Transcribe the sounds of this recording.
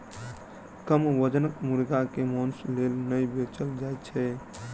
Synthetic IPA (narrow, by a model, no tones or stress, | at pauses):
kəmʋəd͡ʒənəkmuɾɡakemɔnslelnəjbet͡ʃəld͡ʒajt͡ʃʰɛ